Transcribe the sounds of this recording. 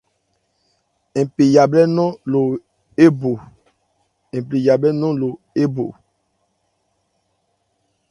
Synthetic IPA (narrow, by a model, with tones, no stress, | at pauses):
ẽ˨pi˨ja˨blɛ˦nɔ̃˦lo˨ | e˦bo˨ | ẽ˨pli˨ja˨blɛ˦nɔ̃˦lo˨ | e˦bo̰˨